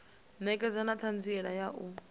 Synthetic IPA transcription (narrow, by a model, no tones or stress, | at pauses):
nɛkʼɛd͡zanat͡ɬʰand͡ziɛɺajaʔu